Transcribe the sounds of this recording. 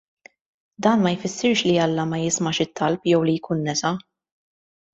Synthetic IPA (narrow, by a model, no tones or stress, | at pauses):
d̪ɐːnmɐjfɪsːɪɾʃliɐlːɐmɐjɪsmɐʃɪt̪ːɐlpjɛwlijkʰuːnːɛsɐ